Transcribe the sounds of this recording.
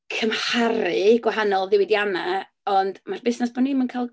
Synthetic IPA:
kʰəmhaɾɨɡwaɦanɔlˠðɪwɪdjana | ɔndmarbɪsnɛsb̥ɔnimənkʰaːlˠ

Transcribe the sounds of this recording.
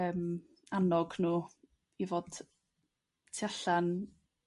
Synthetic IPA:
əːm | anɔɡnuː | ivoːd̥ | tʰiaɬan

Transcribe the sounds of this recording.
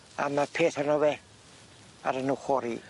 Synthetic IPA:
a̰mapʰeːθanowe | a̰ɾənuχɔɾi

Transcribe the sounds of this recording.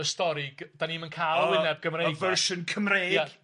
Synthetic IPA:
əstɔɾɪɡd̥aniːmənkʰajlˠwɪnɛb̚ɡəmrejɡvəɹʃənkʰəmrejjḁ

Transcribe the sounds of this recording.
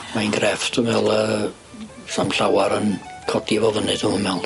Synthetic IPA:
manɡrɛftʰɔvɛlˠə | samɬawaɾənkʰɔdivɔvənɨð̥umɛlˠ

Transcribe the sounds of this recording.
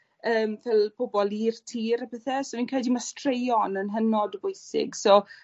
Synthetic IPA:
əːmvɛlˠpʰobɔlˠiːrtʰiːɾapʰɪθɛsɔviːnkrɛdimastrejɔnənɦənɔdəvʊjsɪ̰ɡsɔ

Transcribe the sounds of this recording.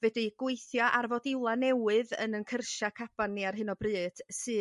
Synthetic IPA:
vɛdɨɡ̥wejθjɔʔarvɔdɪwlˠanɛwɨðə̰nənkʰərʃakʰab̥aniarɦɨnɔbrɨːd̥sɨː

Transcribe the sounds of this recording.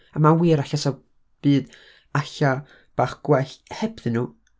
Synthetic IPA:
amawiːɾaɬasa | b̥ɨːd | aɬa | b̥aːχɡ̥wɛɬhɛbðɨnuː

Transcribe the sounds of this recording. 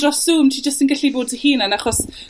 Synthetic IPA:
rɔsuːmtʰid͡ʒəstənɡɪɬiboːdtʰihiːnanaχɔs

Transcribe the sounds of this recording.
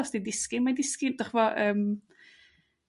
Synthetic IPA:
ɔsd̥idɪskɪmadɪskɪnd̥ɔχvɔʔəːm

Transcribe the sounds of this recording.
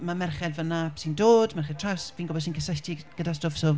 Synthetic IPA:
mamɛrχɛdvənasindoːdmɛrχɛd̚tʰrasviːnɡɔbɔdsiːnkʰəsatʰiɡ̥ədastofso

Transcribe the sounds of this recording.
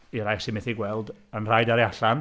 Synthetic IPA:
iɾajsimɪθiɡwɛlˠdənr̥ajdaɾjaɬan

